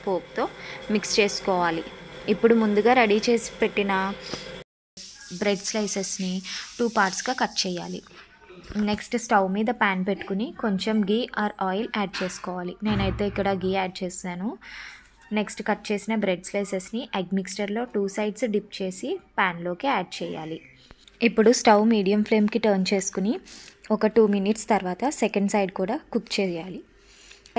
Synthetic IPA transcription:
poːk̚t̪o̞ːmikst͡ʃe̞ːsu̥kɔːʋaːliipːuɽumund̪uɡaːɾɐɽit͡ʃe̞ːsi̥peʈːinɐ | bɾe̞ɖslɐjsesniʈuːpaːɾʈsɡaːkɐʈːt͡ʃɛːjːaːlḭ | neksʈsʈɐwmiːd̪ɐpaːnpeʈːu̥kuniko̞ɲt͡ʃemɡiːʔaːɾɔːjlaːɖ̚t͡ʃe̞ːsu̥kɔːʋaːline̞ːnɐjt̪e̞ːikːɐɽɐɡiːaːɖ̚t͡ʃe̞ːsinaːnu | ne̞ksʈkɐʈ̚ːt͡ʃe̞ːsinɐbɾeɖslesesniʔeɡmiksʈɐɾlo̞ːʈuːsɐjɖsɖip̚t͡ʃe̞ːsipaːnlo̞ːkeaːɖ̚t͡ʃɛːja̰ːli | ipːuɽusʈɐwmiːɖijɐmpʰle̞ːmkiʈɐːɾnt͡ʃe̞ːsu̥kuniɔkɐʈuːminiʈst̪ɐɾʋaːt̪ɐsekɐɳɖsɐjɖkuːɽaːkut̪ːt͡ʃɛːjaːli

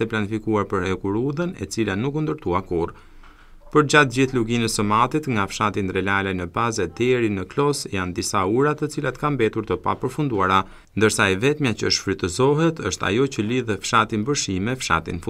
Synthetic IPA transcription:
ɛplanifikuaɾpəɾɛkuɾuðənɛ̰t͡silanukund̪əɾt̪uakur | pəɾd͡ʑat̪̚d͡ʑiθluɡinɛsəmat̪it̪ŋɡafʃat̪ind̪ɾɛlalɛnəbazɛd̪ɛɾinəklɔsjand̪isauɾat̪ət͡silat̪kambɛt̪uɾt̪əpa̰pəɾfund̪uaɾa | nd̪əɾsaɛvɛt̪mjat͡ɕəʃfɾyt̪əzɔɦɛt̪ʰəʃt̪a̰jɔt͡ɕəliðɛfʃat̪inbəɾʃimɛfʃa̰t̪ḭnfu

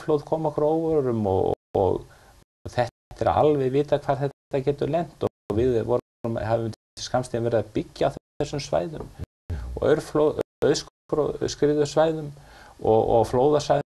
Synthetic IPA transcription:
flowð̥kʰɔːmɔkɾoːwvɔɾɾʏmɔɣɔ̰ɣ | θɛht̪t̪ɛɾa̰a̰lvɛjvɪːt̪akʰv̥aːɾ̥θɛt̪ːacɛːt̪ʏlɛn̥t̪ɔ | ɣvɪðvɔɾ | ʏmhavɪmt̪t̪ɪ̥skamst̪invɛɾɪðapicːaːwθθɛsːʏmsva̰ːjðʏm | ɔ̰ɣœ̰ɾflow | œɥðskfɾoð̰skɾɪːðʏsvaːjðʏmɔɣɔ̰ɣfloːwðasa

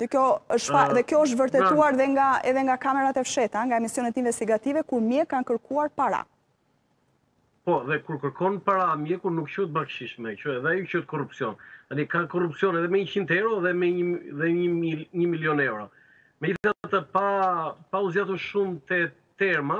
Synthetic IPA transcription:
ðɛkjɔəʃaðɛkjɔəʃ̬t̪vəɾt̪ɛt̪uaɾðɛŋɡaɛðɛŋɡakamɛɾat̪ɛfʃɛt̪aŋɡaɛmisjɔnɛt̪invɛst̪iɡat̪ivɛkuɾmjɛkːankəɾkʰuaɾpaɾa̰ | pɔðɛkuɾkəɾkɔnpaɾamjɛkuɾnukt͡ʃut̪̚bakʃiʃmɛt͡ʃuɛðɛajut͡ʃut̪̚kɔrupsiɔnalikakɔrupsjɔnɛðɛmɛɲəcint̪ɛɾɔðɛmɛðɛɲəɲəmiljɔnɛwɾɔ | mɛd͡ʑiθsiat̪at̪əpapauzjat̪uʃumt̪ɛ | t̪ɛɾma

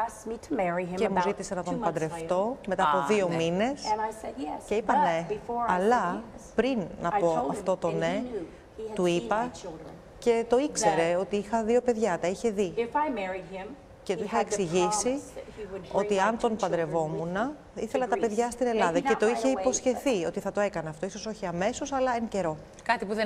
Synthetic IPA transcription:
smitʰmɛɹĩcemuzit̪isɐnɐt̪o̞npɐnd̪ɾe̞ft̪o̞me̞t̪ɐːpoðio̞mine̞snce̞ipɐneɐlɐpɾinːɐpo̞ɐft̪o̞t̪o̞ne | t̪uipɐ | ce̞t̪o̞ikse̞ɾe̞o̞t̪iixɐðio̞pe̞ðʝɐt̪ɐiçe̞ðiɪfajmɛɹiɪ̃m | cet̪uixɐeksiʝisi | o̞t̪iɐnt̪o̞npɐnd̪ɾe̞vo̞munɐ | iθe̞lɐt̪ɐpe̞ðʝɐst̪ine̞lɐðɐce̞t̪o̞içe̞ipo̞sçe̞θio̞t̪iθɐt̪o̞e̞kɐneɐft̪o̞iso̞so̞çiɐme̞so̞sɐlɐence̞ɾo̞ | kɐt̪ipuð

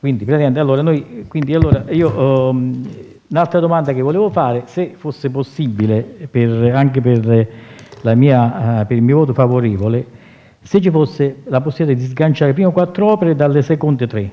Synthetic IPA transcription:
kwind̪ipɾɛziɛnt̪alːoːɾanojkwind̪ialːoːɾaiːo | unalt̪ɾad̪omand̪ak̟ɪvːoleːvʊfaːɾeɪsefosːɪp̬osːibːilepɪraŋkepɪr | lamiːapɪɾilmiːovɔːt̪̬ʊfavoɾɛːvole | set͡ʃːifosːɪlap̬osːibit̪ad̪izɡant͡ʃaːɾep̬ɾiːmokwat̪ːɾoɔːpeɾed̪alːesɛkont̪et̪ːɾe

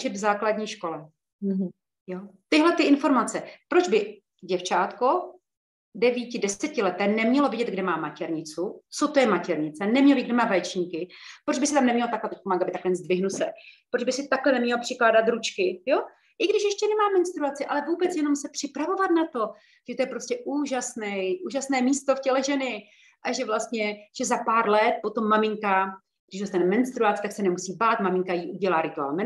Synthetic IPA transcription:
t͡ʃɪd̪vzaːkladɲiːʃko̞lɛ | ɦ | jot̪ɪɦlɛt̪ɪʔɪnfo̞ɾmat͡sɛpɾo̞d͡ʒbɪ | ɟɛft͡ʃaːt̪ko | dɛviːcɪdɛsɛcɪlɛt̪ɛːnɛmɲɛlovɪɟɛd̪ɡdɛmaːmacɛɾɲɪt͡sut͡sot̪ojɛmacɛɾɲɪt͡sɛnɛmɲɛlbiɪɡdɛmaːvɛjt͡ʃɲiːkɪpɾod͡ʒbɪsɪt̪amnɛmɲɛlot̪aklɛt̪ɛc̚kumaːɡdɪbɪt̪aklɛɲɛt͡szdvɪɦnusɛpɾod͡ʒbɪsɪt̪aklɛnɛmɲɛlopr̥ɪklaːdat̪ɾut͡ʃkɪjo̞ | ʔɪɡdɪʃjɛʃcɛnɛmaːmɛnst̪ɾuat͡sɪʔalɛvuːbɛt͡sjɛno̞msɛpr̥ɪpɾavo̞vat̪̚nat̪o̞ | ʒ̥ɛt̪ojɛpɾoscɛʔuːʒasnɛjʔuːʒasnɛːmiːst̪o̞fcɛlɛʒɛnɪ | ʔaʒɛvlast̪ɲɛʒ̥ɛzapaːɾlɛt̪̚po̞t̪o̞mːamɪŋka | ɡdɪʃdast̪ɛnmɛnst̪ɾuat͡sɪ̥t̪aksɛnɛmusiːbaːt̪mamɪŋkajiːʔuɟɛlaːɾɪt̪ua̰ːlmɛ

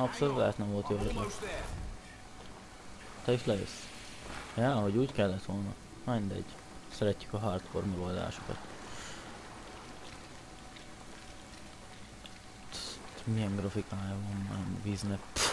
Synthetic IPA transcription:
ɒpsolut̪ɛ̰ːt̪nɛɱvo̞lt̪jo | t̪ɛiʃlɛø̰s | jaːɦoɟuːckɛlːɛt̪ʋo̞lnɒ | mind̪ɛ̰ɟ̥ | sɛɾɛcːy̥kɒɦɒrt̪fo̰rmɛɡo̞ld̪a̰ːʃo̥kɒ̰t̪ | t̪t̪mijɛŋɡɾrɒfikaːjvonːanviznɛ

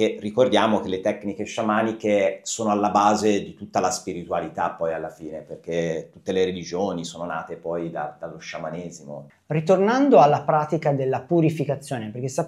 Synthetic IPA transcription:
kerːikord̪jaːmok̟elːet̪ɛknikeʃamaːnikesoːnoalːabaːzed̪it̪ut̪ːalaspiɾit̪ualit̪apːɔjalːafiːneperk̟et̪ːut̪ːeleɾelid͡ʒoːnisoːnona̰ːt̪epɔjd̪a̰d̪alːoʃːamaneːzimo̰ | rit̪ornand̪oalːapɾaːt̪ikad̪elːapuɾifikat̪sːjoːneperk̟est̪a

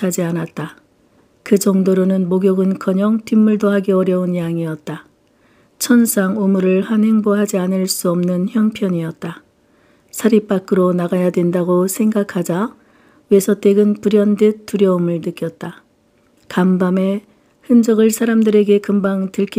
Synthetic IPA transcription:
ad͡ʑianat̚t͈a | kɯd͡ʑʌŋdoɾonɯnmoɡjʌɡɯnkʌɲʌŋtimːuɭdoɦaɡe̞ʌɾjʌunjaŋiʌt̚t͈a | t͡ɕʰʌns͈ʰaŋomuɾɯɭhanhe̞ŋboɦad͡ʑianɯɭs͈uʌmnɯnçjʌŋpʰjʌɲiʌt̚t͈a | sʰaɾip͈ak͈ɯɾonaɡajadwe̞ndaɡosʰe̞ŋɡakʰad͡ʑa | we̞sʰʌt͈e̞ɡɯnpuɾjʌndet͈uɾjʌomɯɭnɯk͈jʌt̚t͈a | kambame̞ | hɯnd͡ʑʌɡɯɭsʰaɾamdɯɾe̞ɡe̞kɯmbaŋtɯɭkʰi

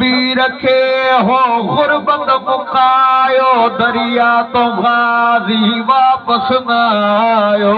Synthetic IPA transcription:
iːɾəkʰeːɦoːɣʊɾbə̃nd̪mʊkaːjoːd̪əɾɪjaːt̪õːɣaːziʋaːpəsna | joː

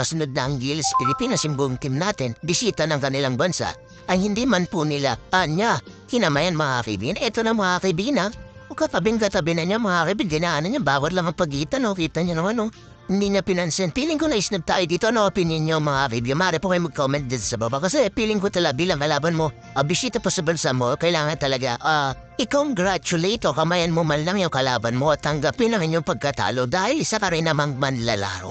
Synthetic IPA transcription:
kɐsʊnod̪̚nɐʔɐŋɡilspɪlɪpiːnosɪmbuŋt̪imnaːt̪ɪnbɪsiːt̪anɐŋkɐnɪlaŋbɐnsa̰ʔ | ɐŋhɪnd̪imanpunɪlaʔɐɲakɪnɐmajanmɐŋakɐ̰jbḭɡanɛt̪onɐmɐŋakɐjbiɡnɐŋʔokɐt̪ɐbɛŋkɐt̪ɐbɪnɐɲamɐŋaakɐjbind̪ɪnaanoɲabaːwat̪laŋɐŋpɐɡiːt̪ɐnokiːt̪ɐɲanoŋɐno | nd̪iɲapinansɛnpiliŋkonaisnab̚t̪a̰id̪iːt̪oɐnopiniɲomɐŋavibjomaaɾepokajmɐɡ̚komɛnt̪̚d̪it̪sɐbabakɐsepiliŋkot̪ɐlabilaŋkɐlaːbanmo | ɐbisit̪oposibɛlsɐmokɐjlaːŋɐnt̪ɐlɐɡaʔa | ikowŋɡɾat͡ʃulejt̪okɐmajanmomɐnlaŋjokɐlabanmot̪ɐŋɡapinɐŋiɲoŋpɐɡ̚kɐt̪a̰lod̪ahilisakaɾejnɐmaŋmɐnla̰la̰ɾo

